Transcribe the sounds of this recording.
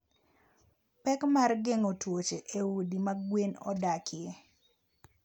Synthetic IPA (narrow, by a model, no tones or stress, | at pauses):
pɛkmarɡeŋotwot͡ʃeʔewudimaɡwenɔ̰dakʰɪe